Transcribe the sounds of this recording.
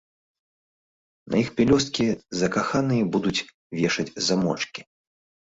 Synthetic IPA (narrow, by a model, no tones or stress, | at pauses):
nʔɐ̰ixpʲɛlʲɔst̪̚kʲizɐkaxanɨjɐbud̪ut͡sʲ | vʲɛʂɐd͡zʲzamɔ̰t͡ʂkʲi̥